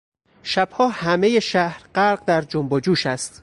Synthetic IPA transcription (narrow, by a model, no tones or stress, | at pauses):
ʃæb̥hɒːhæmeje̞ʃæhɾɢæɾɢd̪æɾd͡ʒombod͡ʒuːʃæst̪